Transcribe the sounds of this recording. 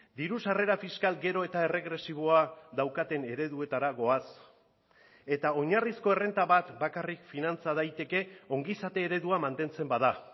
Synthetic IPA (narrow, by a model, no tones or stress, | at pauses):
d̪iɾusare̞ɾafiskalɡe̞ɾo̞e̞t̪ae̞re̞ɣɾe̞siβ̞o̞aðawkat̪e̞ne̞ɾe̞ðue̞t̪aɾaɣo̞as | e̞t̪ao̞ɲarisko̞e̞re̞nt̪aβat̪bakarikfinant͡sað̞ajt̪e̞ke̞o̞ŋɡisat̪e̞ːɾe̞ðuamant̪e̞nt͡se̞mbaða